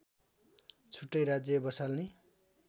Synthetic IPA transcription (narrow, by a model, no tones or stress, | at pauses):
t͡sʰuʈːʌjɾad͡zjʌbʌsalni